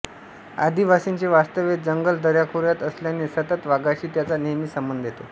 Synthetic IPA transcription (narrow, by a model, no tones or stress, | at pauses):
a̰d̪ʱiʋasint͡ɕeʋast̪əʋet̪̚d͡zəŋɡəld̪əɾjakʰoɾjat̪əsljanesət̪ət̪ʋaɡaɕiːt̪jat͡sanejmiːsəmbənd̪ʱjet̪o